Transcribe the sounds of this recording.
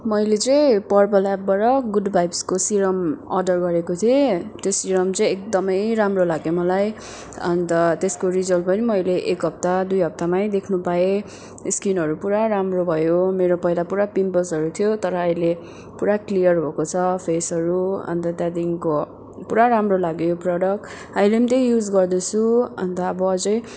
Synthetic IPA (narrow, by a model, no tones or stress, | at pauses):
mʌjlet͡sʌ̃j̃pʌrpʌlap̚baɾʌɡudbʱajbskosiɾʌmʌrɖʌrɡʌɾekot̪ʰiet̪josiɾʌmt͡sʌĩek̚d̪ʌmʌjɾamrolaɡjomʌlaj | ʌ̰nt̪ʌt̪eskoɾid͡zʌlpʌnimʌjleʔekɦʌp̚t̪ad̪ujɦʌp̚t̪amajd̪ekʰnupae | skinɦʌɾupuɾaɾamrobʱʌjomeɾopʌɦilapuɾapimpʌsɦʌɾut̪ʰijot̪ʌɾʌʌjle | puɾaklijʌrbʱokot͡sʰʌpʰesʌɾuʌ̰nt̪ʌt̪jãd̪inko | puɾaɾamrolaɡjoprʌɽʌk | ajlemt̪eɦijud͡zɡʌrd̪ʌt͡sʰuʌ̰nt̪ʌːbʌːd͡zʌj